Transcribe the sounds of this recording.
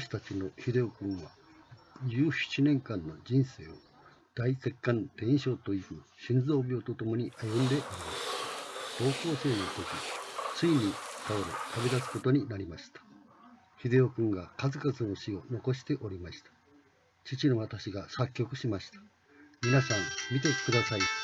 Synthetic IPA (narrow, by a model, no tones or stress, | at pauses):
aɕi̥t̪at͡ɕino̞çid̪e̞okɯ̟̃ɰ̃βa | d͡ʑɨːɕi̥t͡ɕinẽ̞ŋkãnːo̞d͡ʑĩɰ̃se̞ːo̞̰ | d̪̥aise̞kːãnt̪ẽ̞ɰ̃ɕo̞ːt̪o̞ikɯ̟ɕĩnd͡zo̞ːbʲoot̪o̞t̪o̞mo̞ɲ̟iʔajɯ̃nd̪e̞ʔoɾʲimasɨ̥d̪̥o̞ːko̞ːse̞ːno̞t̪o̞kʲit͡sɨiɲ̟it̪aoɾet̪abed̪at͡sɨ̥ko̞t̪o̞ɲ̟inaɾʲimaɕi̥t̪ḁ | çid̪e̞okɯ̟̃ŋɡakazɨkazɨno̞ɕio̞no̞ko̞ɕi̥t̪e̞ʔo̞ɾʲimaɕi̥t̪ḁ | t͡ɕit͡ɕino̞βat̪aɕiɡasakʲːo̞kɯ̟ɕimaɕi̥t̪ḁ | mʲinasãŋmʲit̪e̞kɯd̪asai